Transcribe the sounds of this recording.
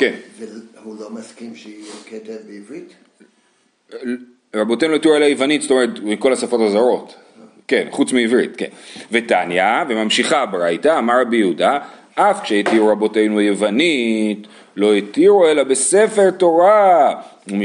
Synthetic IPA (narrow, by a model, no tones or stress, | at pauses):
kenvehulomaskimʃeiket̪evbeivʁit̪ | ʁabotejnulet̪iʁuelajevanitsto̞me̞ʁetmiko̞lasafo̞tazaʁo̞t | ke̞nχut͡smiivʁḭtkḛnve̞tanjavemamʃiχabeʁajtaːmaʁabijeuda | ʔafkʃeitiʁuʁabo̞te̞jnuajevanit | lo̞etiʁuelabe̞se̞fe̞ʁto̞ʁa | um